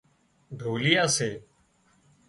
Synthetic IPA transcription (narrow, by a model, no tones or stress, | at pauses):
ɖʱoːlɪjaːseː